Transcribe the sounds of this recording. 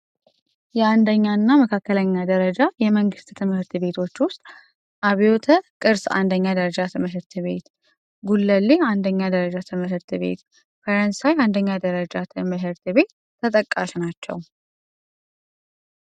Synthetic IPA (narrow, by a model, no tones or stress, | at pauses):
jɛand̪əɲːanːaməkʰakːələɲːad̪əɾəd͡ʒajɛməŋɡɨst̪t̪ʰɨmhɨɾt̪ɨβe̞t̪ʰo̞t͡ʃːwʊst̪ʼ | ʔaβio̞t̪ʰəkʼɨɾsa̰nd̪əɲːad̪əɾəd͡ʒat̪ɨmɨɦɨɾt̪ʰɨβe̞t̪ | ɡulːəlːiand̪əɲːad̪əɾəd͡ʒat̪ʰɨmɨɦɨɾt̪ʰɨβe̞̰t̪ | fəɾənsajand̪əɲːad̪əɾəd͡ʒat̪ʰɨmɨɦɨɾt̪ɨβe̞t̪ʰːət̪ʼəkʼːaʃnat͡ʃːɛ̰w